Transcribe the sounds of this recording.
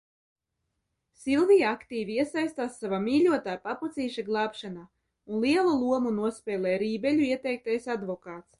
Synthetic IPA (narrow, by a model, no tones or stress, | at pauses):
silˠvijaakt̪iːvʲiiɛsajst̪aːsːavamiːlʲuɔt̪aːpaput̪siːʃaɡlˠɑːpʃanaː | unlˠiɛlˠulˠuɔmunuɔspʲɛːlʲˠɛːɾiːbɛlʲuiɛt̪ɛjk̚t̪ajsad̪vɔkaːt̪s